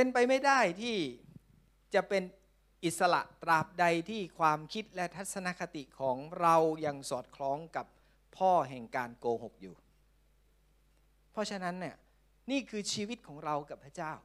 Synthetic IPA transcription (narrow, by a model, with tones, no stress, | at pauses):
pe˧npa˧jma˥˩jdaː˥˩jt̪ʰiː˥˩ | t͡ɕa˨˩pe˧n | ʔi˨˩t̪̚sa˧la̰˨˩ʔt̪ɾaː˨˩p̚da˧jt̪ʰiː˥˩kʰwaː˧mkʰi˦˥t̪̚lɛ˦˥t̪ʰa˦˥t̪̚sa˧na˦˥kʰa˧t̪i˨˩kʰɔː˩˦ŋɾa˧wja˧ŋsɔː˨˩t̪̚kʰlɔː˦˥ŋka˨˩p̚ʰː | ɔː˥˩ɦɛ˨˩ŋkaː˧nkoː˧ho˨˩k̚juː˨˩ | pʰɔ˦˥t͡ɕʰa˧na˦˥nːi˥˩ɐ | niː˥˩kʰɯː˧t͡ɕʰiː˧wi˦˥t̪̚kʰɔː˩˦ŋɾa˧wka˨˩pʰɾa˦˥˩t͡ɕaː˥˩w